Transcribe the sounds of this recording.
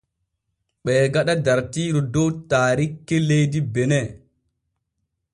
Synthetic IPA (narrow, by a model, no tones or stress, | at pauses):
ɓɛːɡaɗadaɾtiːɾudɔwtaːɾikːɛlejdibɛnɛ